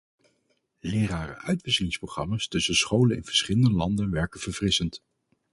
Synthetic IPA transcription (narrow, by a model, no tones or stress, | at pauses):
lɪːɾaːrə̰ʔœɥtʋɪsəlɪŋsprowχrɑmaːstɵsəsχowlənɪ̰nv̥əɹsχɪləndəlɑndənʋɛɹkənv̥əɹvrɪsənt